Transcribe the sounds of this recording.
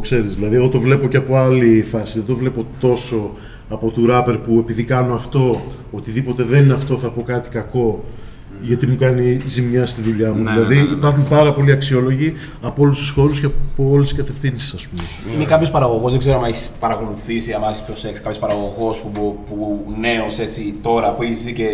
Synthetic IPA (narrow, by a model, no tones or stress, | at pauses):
t̪okse̞ɾizðilɐðieɣo̞t̪o̞vle̞po̞ce̞ɐpo̞ɐlifɐsiðed̪o̞vle̞po̞t̪o̞so̞ | ɐpo̞t̪uɾɐpe̞ɾpue̞piðikɐno̞ɐft̪o̞ | ot̪iðipo̞t̪e̞ðe̞nineɐft̪o̞θɐpo̞kɐt̪i̥kɐko̞ | ʝɐt̪imukɐnizimɲɐst̪iðuʎɐmuðilɐðiipɐɾxunpɐɾɐpo̞liɐksio̞lo̞ʝi | ɐpoolususxo̞ɾusceɐpoolisiskɐt̪e̞fθinsi̥sɐspummeinekɐpço̞spɐɾɐɣo̞ɣo̞zðeɡze̞ɾoamɐeçi̥spɐɾɐko̞luθisiɐmeçispɾoseksi̥kɐpço̞spɐɾɐɣo̞ɣo̞spubpune̞ose̞t͡sit̪o̞ɾɐpueçizice